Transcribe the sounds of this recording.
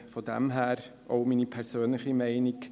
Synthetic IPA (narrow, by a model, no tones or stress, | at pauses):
fɔdɛ̰mɦæːɾ | ʔo̰ʊmiːnipʰɛɾsøːnlɪχimɛɪnɪk